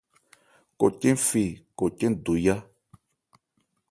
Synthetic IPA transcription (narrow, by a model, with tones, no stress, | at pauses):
ko˨cẽ˦fi˨ko˨t͡ʃẽ˦n˨du˨ja˦